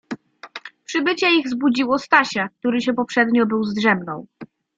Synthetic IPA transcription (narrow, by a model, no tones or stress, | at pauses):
pʂɘbɘt͡ɕɛiɣzbud͡ʑiwɔst̪aɕak̚t̪uɾɘɕɛpɔpʂɛd̪ɲɔbɘwzd̪ʐɛmnɔ̃w̃